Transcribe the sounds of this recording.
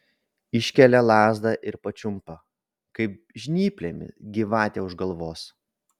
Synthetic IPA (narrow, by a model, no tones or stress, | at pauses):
ɪʃʲkʲɛlʲɛlˠɑːzd̪ɐʔɪɾpɐt͡ʃʲʊmpɐ | kɐɪp̚ | ʒʲnʲiːpʲlʲeːmʲɪ̰ɡʲɪʋɑːt̪ʲeːʊʒɡɐlˠʋoːs